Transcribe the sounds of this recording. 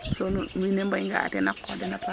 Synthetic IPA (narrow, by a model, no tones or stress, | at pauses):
sɔninɛmbaŋɡa̰a̰dɛnakadɛnapa